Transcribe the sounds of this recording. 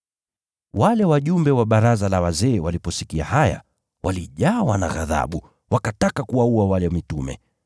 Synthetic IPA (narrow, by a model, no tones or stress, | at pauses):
walɛwaʄumbɛwaɓaɾazalawazɛːwalipɔsikia̰haja̰ | wʔaliʄawana̰ɣa̰ða̰ɓu | wʔakatakakuwauawalɛmitumɛ̰